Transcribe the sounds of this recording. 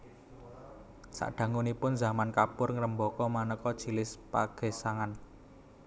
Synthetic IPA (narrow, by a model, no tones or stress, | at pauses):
sa̰ʔɖ̥ä̤ŋunipʊnzamankapʊrŋɾəmbɔkɔmanəkɔd̥ʒ̥i̤lɪspaɡ̥e̤saŋan